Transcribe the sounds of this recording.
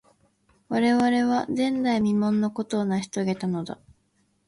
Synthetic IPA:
βaɾe̞βaɾe̞βazẽ̞nd̪aimʲimõ̞nːo̞ko̞t̪o̞ːnaçʲi̥t̪o̞ɡe̞t̪ano̞d̪a̰

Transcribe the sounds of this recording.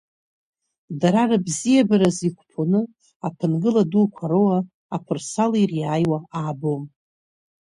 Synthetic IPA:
daɾarabzijabaɾazikʷʰpʰonɨ | apʰɨnɡɨladukʷʰaɾowaː | pʰɨrsalirjaːjwaaːbom

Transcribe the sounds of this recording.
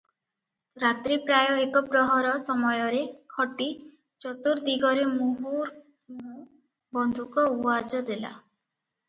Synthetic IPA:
ɾat̪ɾipɾajɔekɔbɾɔɦɔɾɔsɔmɔjɔɾekʰɔʈi | t͡ʃɔt̪uɾd̪iɡɔɾemuɦuɾ | mu | bɔnd̪ʱukɔuad͡ʒɔd̪ela̰

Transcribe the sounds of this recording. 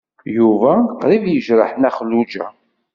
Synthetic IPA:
juvæqɾivjəʒɾə̰ħnæχəlːud͡ʒæ̰

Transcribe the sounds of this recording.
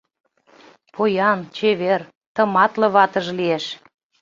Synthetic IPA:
pojɑnt͡ɕeβer | t̪ə̆mɑt̪lə̆βɑt̪ə̆ʒlieʃ

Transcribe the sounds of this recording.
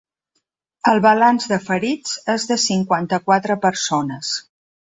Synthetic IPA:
əlˠβəlanzðəfəɾid͡zezðəsiŋkwant̪əkwat̪ɾəpəɾsonəs

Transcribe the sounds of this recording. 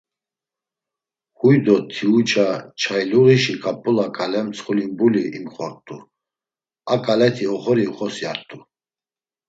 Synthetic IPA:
hujd̪ɔt̪ʰiut͡ʃʼat͡ʃʰajluʁiʃikʼapʼːulakʼalɛmt͡sχulinbuliʔimχɔɾt̪ʼu | akʼalɛt̪ʰiɔχɔɾiχɔsia̰ɾt̪ʼu

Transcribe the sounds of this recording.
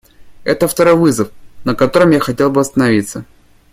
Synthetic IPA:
ɛt̪əft̪ɐɾo̞jvɨzəfnəkɐt̪o̞ɾɨmjaxɐtʲe̞lˠbɨɐst̪ənɐvʲit̪sə

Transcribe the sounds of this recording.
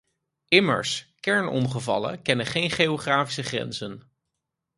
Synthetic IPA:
ʔɪmə̰ɹskɛɹnɔ̰mχəvɑ̰lə̰kɛnəχejnχeoχraːfisəχrɛ̰nzən

